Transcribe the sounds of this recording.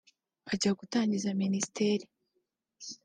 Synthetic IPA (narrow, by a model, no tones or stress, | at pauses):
aɟaɡutaːɲɟizaminisi̥teːɾi